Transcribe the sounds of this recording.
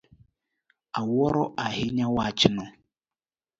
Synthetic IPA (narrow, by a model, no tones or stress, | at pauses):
awɔɾɔʔahɪɲawat͡ʃɪnɔ